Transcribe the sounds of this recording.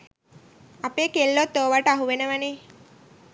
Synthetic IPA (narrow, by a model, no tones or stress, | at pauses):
apeːkelːot̪ːoːʋaʈəaɦuʋenəʋaneː